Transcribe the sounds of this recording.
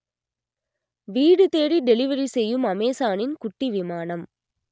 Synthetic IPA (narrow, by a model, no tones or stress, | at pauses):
ʋiːɽɯt̪eːɾiɖɛlɪʋɐɾisɛjːɯmɐmeːsaːnɪnkʊʈːiʋɪmaːnɐm